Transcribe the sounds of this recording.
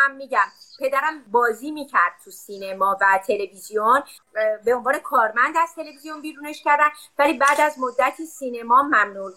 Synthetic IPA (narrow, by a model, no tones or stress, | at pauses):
æmːiːɟæmpʰe̞d̪æɾæmbɒːziːmiːcʰæɾd̪̥̚t̪ʰusiːne̞mɒːvæt̪ʰe̞le̞vizijon | beonvɒːne̞kʰɒːɾmænd̪æz̥t̪ʰe̞le̞vizijo̞nbiːɾuːneʃcʰæɾd̪ænd̪væliːbæːd̪æzmod̪ːæt̪ʰisiːne̞mɒːmæmnu